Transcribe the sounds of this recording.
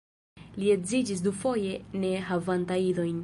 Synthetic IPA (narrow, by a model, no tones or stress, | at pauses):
liezid͡ʒis̬dufo̞je̞ne̞ɦavantailo̞jn